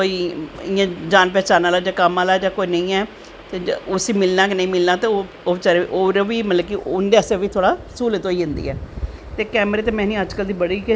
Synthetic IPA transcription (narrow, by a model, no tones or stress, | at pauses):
oːiːɪãːd͡ʒaːnp̬ɛːt͡ʃaːnaːlaːd͡ʒaːkəmaːlaːd͡ʒaːkoːinəĩːɛː | t̪eːʊsiːmɪlnaːk̬ɪnəĩːmɪlnaːt̪eːo | oːʋt͡ʃaɾeʔoːɾʋiːmət̪ləbkɪʔʊnd̪eːəsẽːʋiːt̪ʰoːɽaːsuːlet̪oːiːɦɪnd̪ḭːɛːt̪eːkɛːmɾeːt̪eːmɛ̃ːnĩːəd͡ʒkəld̪iːbəɽiːke